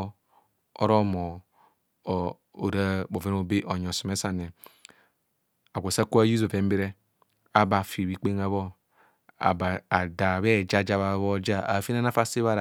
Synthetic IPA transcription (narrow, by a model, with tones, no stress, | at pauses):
ɔ̰˦ɾo˦mo˨ | o˨ɾa˦bo˨ve˦n˦o˦be˦ʔo˨ɲɔ˨su˨me˦sa˦ne˨ | a˨ɡʷo˨sa˦ku˦a˦ju˦zo˨fe˨˦m˦be˦ɾe˦ | a˨˦ba˨fi˨βi˦˨k͡pe˦ŋa˦βo˦ | a̰˨ba˨da˨βe˦˨d͡ʒa˦d͡ʒa˦βa˨˦βo˦d͡ʒa˦a˨fi˦na˦na˦fa˦si˦βa˦ɾa˨